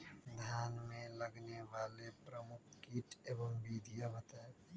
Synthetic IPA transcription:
d̪ʱjaːnmẽləɡneʋaːlepɾəmʊkʰkiʈeːbəmbid̪ʱijabət̪ɛ

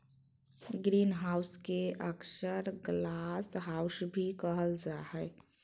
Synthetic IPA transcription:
ɡɾiːnɦaːʊskeʔəksəɾɡlasɦaʊsbʱikəɦəld͡ʒaɦɛ

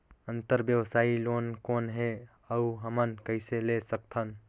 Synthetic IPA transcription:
ənt̪əɾbjəwsaːiloːnkoːnɦe | əuɦəmənkəɪselesək̚t̪ʰən

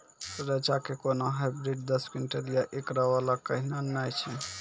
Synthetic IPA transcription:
ɾət͡ʃakekonoɦajbɾiɖd̪əskinʈəɾijaʔekɾaβalakəɦinanajt͡ʃʰɛ

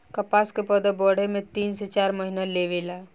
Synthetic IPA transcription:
kəpaːskepəd̪əbɔːɽ̤emẽt̪iːnset͡ʃaːɾməɦinaleʋela

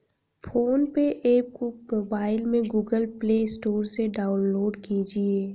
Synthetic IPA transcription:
fʰoːnpeʔeːp̚komoːbaːɪlmẽɡuːɡəlpleːsʈoːɾseɖaːʊnloːɖkid͡ʒieː

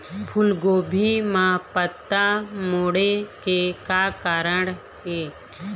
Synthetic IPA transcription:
pʰʊlɡoːbʱimãːpət̪ːamoːɽekekaːkaːɾəɳ̃ | ɦeː

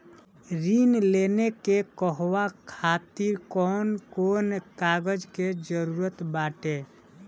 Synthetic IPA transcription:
ɾinlenekekəɦʋakʰat̪iɾkɔnkonkaɡəd͡ʒked͡ʒəɾuɾət̪baʈe

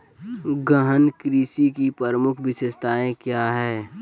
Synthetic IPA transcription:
ɡəɦənkɾiːsikipəɾəmʊkʰʋɪsest̪ʰaːẽkjaːɦɛː

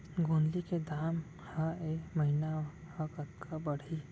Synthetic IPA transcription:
ɡoːnliked̪aːm | haeːmɐɦina | hakɐt̪kʰabɐɽ̤i

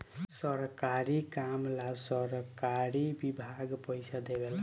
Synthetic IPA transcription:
sʌɾkaɾikamlasʌɾkaɾibibʱaɡpəjsʰad̪ebela

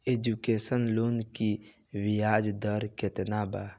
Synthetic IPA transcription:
eːd͡ʒukeːsənloːnki | wijaːd͡ʒd̪əɾket̪naːbaː

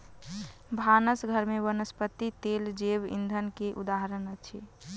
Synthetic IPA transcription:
bʱanəsɡʱəɾmebənəspət̪it̪eld͡ʒebḭnd̪ʱənkeʔud̪aɦɾənət͡ʃʰḭ

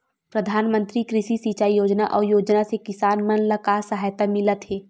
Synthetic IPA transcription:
pɾɐd̪ʱaːnmə̃nt̪ɾikɾɪʃisiːt͡ʃaːijoːd͡ʒnaʔɔːɾjoːd͡ʒnasekɪsaːnmɐnlɐkaːsɐɦajt̪amɪlət̪ɦeː

